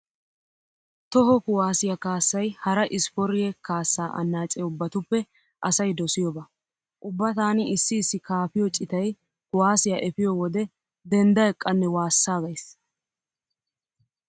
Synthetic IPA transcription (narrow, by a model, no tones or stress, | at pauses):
t̪ɔɦɔkʊwaːsɪjɐkaːsːɐjhɐɾɐʔɪsfɔɾɪjɛkaːsːaːʔɐ̰nːaːt͡ʃʼɛʊbːɐt̪ʊpːɛ | ʔɐsɐjd̪ɔsɪjɔbɐ | ʔʊbːɐt̪aːnɪɪsːɪːsːɪkaːfɪjɔt͡ʃʼɪt̪ɐj | kʊwaːsɪjɐʔɛfɪjɔwɔd̪ɛ | d̪ɛnd̪ɐjɛkʼːɐnːɛwaːsːaːɡɐjs